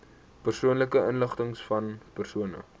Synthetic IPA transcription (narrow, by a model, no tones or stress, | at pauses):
pərsuənləkəʔənləχtəŋsfɐnpərsuənə̰